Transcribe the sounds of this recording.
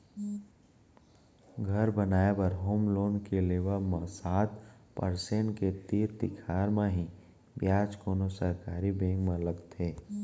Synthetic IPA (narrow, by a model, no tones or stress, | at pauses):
ɡʱəɾbənaːebəɾɦoːmloːnkeleːʋəmãsaːt̪pəɾseɳʈket̪iːɾd̪ɪkʰaːɾmãɦĩ | bjaːd͡ʒkoːnosəɾkaːɾibẽːŋɡmẽləɡt̪ʰeː